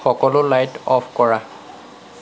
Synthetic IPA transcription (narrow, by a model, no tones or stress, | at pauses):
xɔkɔlʊlajtɔpʰkɔɹa